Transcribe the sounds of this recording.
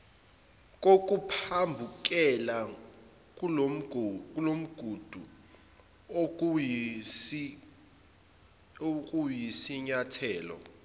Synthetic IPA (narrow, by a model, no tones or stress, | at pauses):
k̬ʼok̬ʼupʰambʱuk̬ɛla | k̬ʼulom̩ɡ̥ʱud̥ʱu | ok̬ʼujisiɲatʰɛːlɔ̰